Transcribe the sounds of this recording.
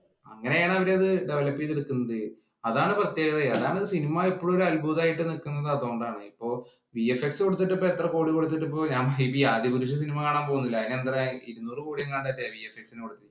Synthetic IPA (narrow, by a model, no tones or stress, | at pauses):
ɐ̰ŋːɐneaːɳɐɐʋɐɾe̞ɐðɨɖeʋɐlɐpːit̪eɽukːunːɐðɨ | ɐðaːɳɨprɐt̪je̞ːɣɐðɐɐðaːɳɐðsinimɐepːoɭuoɾɐlbuːðaːjiʈːɨnilkːunːɐðat̪oːɳɖaːɳɨipːo̞ː | ʋijefeksɨkoɽut̪ːiʈːɨpːoːet̪rɐko̞ːɽikoɽut̪̬ːiʈ̬ːɨpːo̞ːɲaːmɐipːijaːd̪jipuɾut͡ɕːɐs̬inimɐkaːɳaːmpo̞ɣunːilːɐðineend̪rɐiɾunːoːrukuːɽijɐŋkaːɳɖɐtːeʋijefeksinɨkoɽut̪ːi